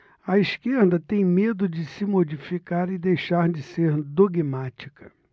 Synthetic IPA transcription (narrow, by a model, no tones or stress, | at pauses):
ɐiskeɾd̪ɐt̪ẽj̃med̪ʊd͡ʒɪsɪmod͡ʒifikaɾɪd̪ejʃaɾd͡ʒɪseɾd̪oɡmat͡ʃi̥kʰɐ